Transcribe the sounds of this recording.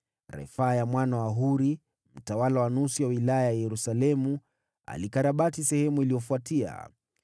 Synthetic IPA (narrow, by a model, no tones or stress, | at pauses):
ɾɛ̰fajamwanawaɦuɾi | m̩tawalawanusiwawilajajajɛɾusalɛmu | a̰likaɾaɓatisɛhɛmuilijɔfuatia̰